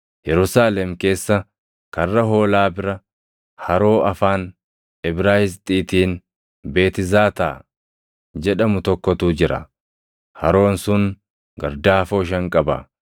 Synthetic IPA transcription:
jɛɾʊsaːlɛmke̞ːsːɐ | kɐrːɐɦo̞ːlaːbɪɾɐ | hɐɾo̞ːɐfaːn | ɪbɾaːhɪs̬t̪ʼiːt̪iːn | be̞ːt̪ɪzaːt̪aː | d͡ʒɛᶑɐmʊt̪ɔkːɔt̪uːd͡ʒɪɾɐ̰ | hɐɾo̞ːnsʊŋ | ɡɐ̰ɾd̪aːfoːʃ̬ɐŋkʼɐbɐ̰

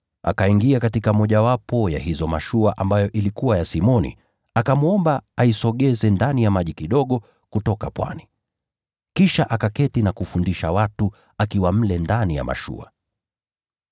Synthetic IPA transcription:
ʔa̰kaiŋɡiakatikamɔʄawapɔjahizɔma̰ʃuaʔambajɔʔilikuwajasimɔnḭ | akamuɔmbaaisɔɠɛzɛndanijamaʄikiɗɔɠɔ | kutɔkapwa̰ni | kiʃaʔakakɛtinakufundiʃawatu | akiwam̩lɛndanija̰ma̰ʃṵa̰

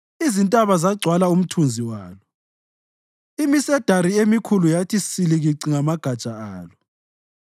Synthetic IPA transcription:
izintʼaβazaɡ͡ǀʱwalaum̩tʰund͡zʱiwaːlɔ | imisɛd̥ʱaɾiemikʰulujatʰisiliɣiǀiŋamaɡ̥ʱad̥t͡ʃʼaaːlɔ

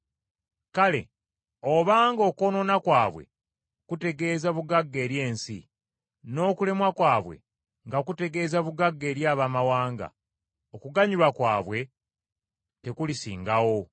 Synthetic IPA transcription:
kale̞̰ | oβaːŋɡo̞ko̞no̞nakwaːβwe̞̰ | kute̞ɡe̞ːzaβuɡaɡːe̞ːɾje̞ːnsḭ | no̞ːkule̞mwakwaːβwe̞̰ | ŋɡakute̞ɡe̞ːzaβuɡaɡːe̞ːɾjaːβamawaːŋɡa̰ | okuɡaɲilwakwa̰ːβwe̞ | te̞kulisḭːŋɡawo̞

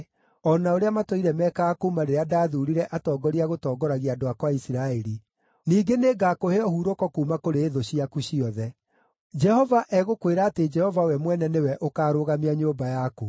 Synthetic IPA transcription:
ɔnaoɾeamatoiɾɛmɛːkaːkoumaɾeɾeadaːðuːɾiɾɛʔatɔːɡɔɾiaɣotɔːɡɔɾaɣiadoakwaisiɾaeɾi | niːɡeneɡaːkoheɔhuːɾokɔkuːmakoɾeːðoɕiakuɕiɔðɛ | d͡ʒɛhɔvaʔɛɣokweɾaːted͡ʒɛhɔvawɛmwɛnɛnewɛʔokaːɾoːɣameaɲoːmbajako

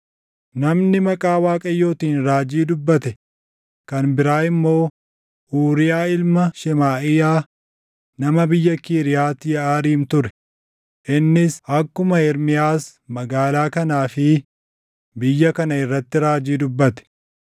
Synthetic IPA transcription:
nɐmnɪmɐkʼaːwaːkʼɐjːo̞ːt̪iːnɾaːd͡ʒiːd̪ʊbːɐt̪ɛ | kɐnbɪɾaːɪmːo̞ː | ʔuːɾɪjaːɪlmɐʃɪmaːɪjaː | nɐmɐbɪjːɐkiːɾɪjaːt̪ːɪjɐaːɾiːmt̪ʊɾɛ̥ | ʔɪnːɪsɐkːʊmɐɪɾmɪjaːsmɐɡaːlaːkɐnaːfɪ | bɪjːɐkɐnɐɪrːɐt̪ːɪɾaːd͡ʒiːd̪ʊbːɐt̪ɛ̥

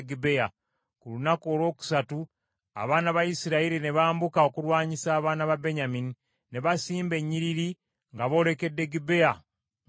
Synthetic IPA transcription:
ɡibeja | kulunako̞ːlwo̞ːku̥satu | a̰βaːnaβajisiɾaiɾine̞βaːmbukao̞kuɾwaːɲisaːβaːnaβabeɲamini | ne̞βasiːmbe̞ɲːiɾiɾi | ŋɡaβo̞ːɾe̞ke̞dːe̞ɡibe̞ja

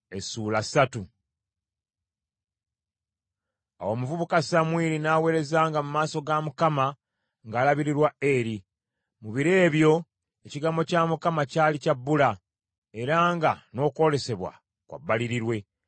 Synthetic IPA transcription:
esuːlasatu | a̰wo̞ːmuvuβukasamwiːɾinawe̞ːɾe̞zaːŋɡamumaːso̞ɡamukama | ŋɡaːlaβiɾiɾwae̞ɾi | muβiɾe̞ːβjo̞ | e̞ciɡamo̞caːmukamacaːlicabːula | e̞ɾaːŋɡano̞ːko̞le̞se̞βwa̰ | kwa̰bːaliɾiɾwe̞

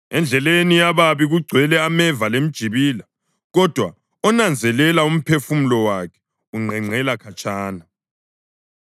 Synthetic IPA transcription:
ɛnd͡ɮʱɛlenijaβaβiɣuɡ͡ǀʱwɛlɛamɛvalem̩d̥ʒ̥ʱiβiːla | ɣɔd̥ʱwa | ɔnand͡zʱɛlɛlaum̩pʰefum̩lɔwakʰɛ̥ | uŋ͡ǀʱɛŋ͡ǀʱɛlakʰat͡ʃʼaːna

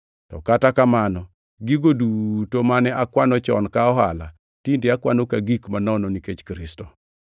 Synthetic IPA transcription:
tɔ̰katakamanɔ | ɡiɡodutomanɛʔakwanɔt͡ʃɔ̰nkaɔɦa̰la̰ | tindɪakwanokaɡikmanɔnɔniket͡ʃkɾɪstɔ

